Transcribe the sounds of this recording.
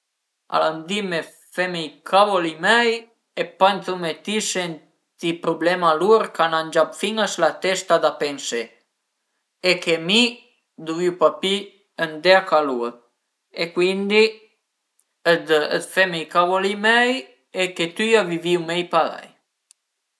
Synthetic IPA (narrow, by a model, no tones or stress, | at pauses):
a̰land̪ime | fɛmejkʰavolimɛj | epanθumet̪isen | t̪ipɾublɛmaluɾkanand͡ʒabfiŋaslat̪ɛst̪ad̪apɛnse | ekemi | d̪uviwpapi | ənd̪eakaluə | ekwind̪i | əd̪ə̰d̪fɛmejkavolimɛj | eket̪yaviviwmɛjpala̰j